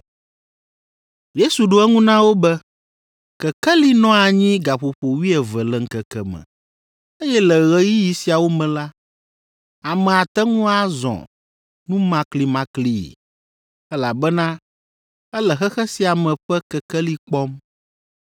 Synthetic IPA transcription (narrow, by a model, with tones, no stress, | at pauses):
je˦su˨ɖo˦ɛ˦ŋũ˦nã˦wo˦bɛ˦ | kɛ˨kɛ˦li˦nɔ̃˦a˨ɲĩ˦ɡa˨ɸo˨ɸo˨wi˦ɛ˨vɛ˨lɛ˨ŋ̩˦kɛ˨kɛ˦mɛ̰̃˨ | e˦jɛ˦lɛ˨ɣɛ˦ji˦ji˨si˨a˨wo˦mɛ̃˨la˦ | a˨mɛ̃˨a˨t̪ɛ˦ŋũ˦a˦zɔ̰̃˨ | nũ˦mã˦kli˨mã˦kli˦jḭ˨ | ɛ˦la˨bɛ˦nã˦ | ɛ˦lɛ˨xɛ˦xɛ˦si˨a˨mɛ̃˨ɸɛ˦kɛ˨kɛ˦li˦k͡pɔ˦m